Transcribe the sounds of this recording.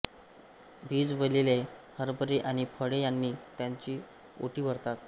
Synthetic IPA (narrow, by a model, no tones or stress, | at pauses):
bʱiːd͡zʋəlelehəɾbəɾeʔaɽ̃ipʰəɽejanːiːt̪jaɲt͡ɕiː | o̰ʈiːʋəɾt̪at̪